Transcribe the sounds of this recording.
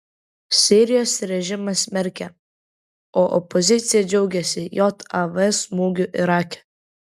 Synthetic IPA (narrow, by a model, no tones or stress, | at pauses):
sʲiːɾʲɪjoːsɾʲɛʒʲɪmɐsmʲɛɾʲkʲɛ | oːʔɔ̰pɔzʲɪt̪sʲɪjɛd͡ʒʲɛʊɡʲɛsʲɪjoːt̪ɑʋɛsmuːɡʲʊʔɪɾɑːkʲɛ̥